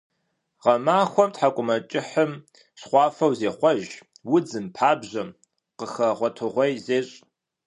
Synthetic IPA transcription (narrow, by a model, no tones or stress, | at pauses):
ʁɐmaːxʷɔmtħakʷʼʊmɐt͡ʃʼɪħəm | ɕχʷɑːfɐwzeːχʷɔʒ | wʊd͡zɨmpʰaːbʑɐm | qəxɐʁʷɔtʰɨʁʷejzeːɕʼ